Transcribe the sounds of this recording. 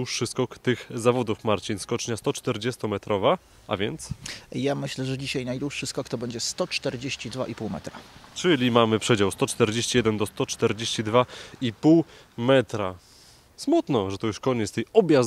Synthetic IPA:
uʂːɘskɔkt̪ɘxzavɔd̪ufmaɾt͡ɕinskɔt͡ʂɲast̪ɔt͡ʂt̪ɛɾd͡ʑɛst̪ɔmɛt̪ɾʔɔva | ʔa̰vʲjɛnt̪sjamɘɕlɛʐɛd͡ʑiɕajnajd̪wuʂːɘskɔkt̪ɔbɛɲd͡ʑɛst̪ɔt͡ʂt̪ɛɾd͡ʑeɕt͡ɕid̪va̰ʔipuwmɛ̰t̪ɾat͡ʂɘlʲimamɘpʂɛd͡ʑawst̪ɔt͡ʂt̪ɛɾd͡ʑeɕt͡ɕijɛd̪ɛnd̪ɔst̪ɔt͡ʂt̪ɛɾd͡ʑeɕt͡ɕid̪vaipuw | mɛt̪ɾa | smut̪nɔʐɛt̪ɔjuʂkɔɲɛt̪st̪ɛjɔbʲja

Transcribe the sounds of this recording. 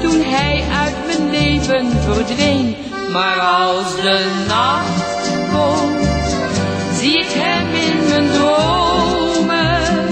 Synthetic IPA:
tunɦɛjʔœɥtmənlejvənvərdvejn | maːɹɑlˠsdə | nax | kom | zikɦɛjmɪnməndro | mə

